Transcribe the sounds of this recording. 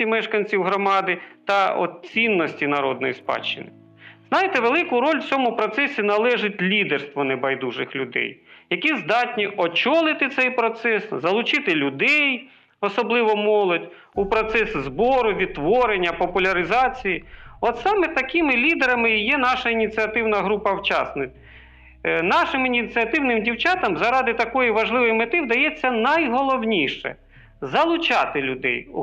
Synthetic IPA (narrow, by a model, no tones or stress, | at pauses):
imɛʃkɐnʲt͡sʲiwɦɾɔmɑd̪ɪt̪ɐɔ̰t̪̚t͡sʲinːɔsʲtʲinɐɾɔd̪nɔjispɑ̰t͡ʃːɪ̰nɪ | z̥nɑjɪt̪ɛʋelˠɪkʊɾɔlʲwt͡sʲɔmʊpɾɔt̪sɛsʲinɐlˠɛʒɪtʲlʲid̪erst̪ʋɔnebɐjd̪uʒɪxlʲʊd̪ɛ̰jjɐkʲizd̪ɑtʲnʲiʔɔt͡ʃɔlˠɪt̪ɪt̪sɛjpɾɔt̪sɛszɐlˠʊt͡ʃɪt̪ɪlʲʊd̪ɛj | ɔsɔblˠɪʋɔmɔlˠɔdʲ | upɾɔt̪sɛszbɔɾʊʋʲid̪̚t̪ːʋɔɾenʲːɐpɔpʊlʲɐɾɪzɑt͡sʲijiɔt̪sɑmɛt̪ɐkimɪlʲid̪eɾɐmɪjɛnɑʃɐinʲit͡sʲiɐt̪ɪwnɐɦɾupɐwt͡ʃɑ̰snɪk | nɑʃɪminʲit͡sʲiɐt̪ɪwnɪmdʲiwt͡ʃɑt̪ɐmzɐɾɑd̪ɪt̪ɐkɔjiʋɐʒlˠɪʋɪjmɪt̪ɪwd̪ɐjɛt͡sʲːɐnɐjɦɔlˠɔwnʲiʃɛ̰ | zɐlˠʊt͡ʃɑt̪ɪlʲʊd̪ɛ̰j